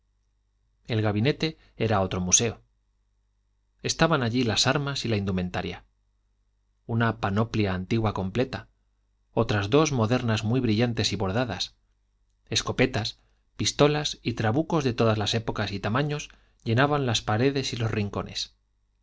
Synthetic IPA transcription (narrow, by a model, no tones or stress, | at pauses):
e̞lɣaβine̞t̪e̞ | e̞ɾao̞t̪ɾo̞muse̞o̞ | e̞st̪aβanaʎilasaɾmasilaind̪umẽ̞nt̪aɾja | unapano̞pljaːnt̪iɣwako̞mple̞t̪a | o̞t̪ɾazðo̞zmo̞ðe̞ɾnazmwijβɾiʎant̪e̞siβo̞ɾð̞aða̰s | e̞sko̞pe̞t̪as | pist̪o̞lasit̪ɾaβuko̞zðe̞t̪o̞ðazlase̞po̞kasit̪amãɲo̞z | ʎe̞naβanlaspaɾe̞ðe̞silo̞sriŋko̞̰ne̞̰s